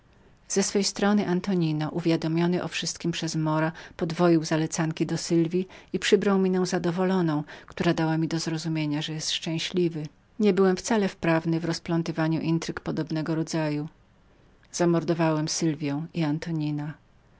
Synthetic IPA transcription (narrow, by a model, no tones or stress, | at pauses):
z̥ɛsfɛjst̪ɾɔnɘʔant̪ɔɲinɔʔuvʲjad̪ɔmʲjɔnɘʔɔfʂɘst̪̚kʲimpʂɛzmɔɾapɔd̪vɔjiwzalɛt̪saŋkʲid̪ɔsɘlvʲiipʂɘbɾawmʲinɛ̃w̃zad̪ɔvɔlɔnɔ̃w̃kt̪uɾad̪awamʲid̪ɔzɾɔzumʲjeɲaʐɛjɛst̪ʂt͡ʂɛ̃w̃ɕlʲivɘ | ɲɛbɘwɛmft̪salɛfpɾavnɘvɾɔsplɔnt̪ɨvaɲuʔint̪ɾɘkpɔd̪ɔbnɛɡɔɾɔd̪zaju | z̥amɔɾd̪ɔvawɛmsɘlvʲjɛ̃w̃iant̪ɔɲina